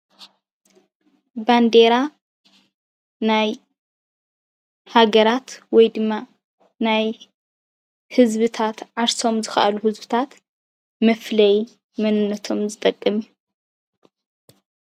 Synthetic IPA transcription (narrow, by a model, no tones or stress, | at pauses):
band̪eɾa | naj | haɡɐɾat̪wɔjd̪ɨmːa | naj | hɨzβɨt̪ʰat̪ʕaɾso̞mzɨxɐ̰ʔɐluhɨzbɨt̪ʰat̪ | mɐflɐj | mɐnɨnːɐt̪ʰo̞mzɨt̪ʼɐkʼːɐmiu